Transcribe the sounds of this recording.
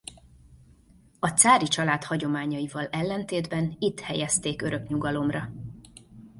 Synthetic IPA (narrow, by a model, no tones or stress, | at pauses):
ɒt̪saːɾit͡ʃɒlaːt̪hɒɟo̞maːɲɒivɒlɛlːɛnt̪eːd̪bɛnit̪hɛjɛst̪eːkøɾø̞kɲuɡɒlo̞mrɒ